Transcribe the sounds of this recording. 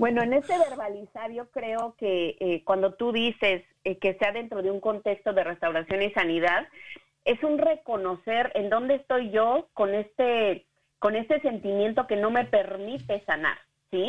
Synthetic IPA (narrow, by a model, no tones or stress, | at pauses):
bwe̞noene̞st̪e̞βe̞ɾβalisaɾjo̞kɾe̞oke̞ʔekwand̪o̞t̪uðise̞s | eke̞seaðe̞nt̪ɾo̞ðe̞uŋko̞nt̪e̞kst̪o̞ðe̞re̞st̪awɾasjo̞nisaniðað | e̞sunre̞ko̞no̞se̞ɾe̞nd̪o̞nd̪eːst̪o̞jʝo̞ko̞ne̞st̪e | ko̞ne̞st̪e̞se̞nt̪imje̞nt̪o̞ke̞no̞me̞pe̞ɾmit̪e̞sana̰ɾ | si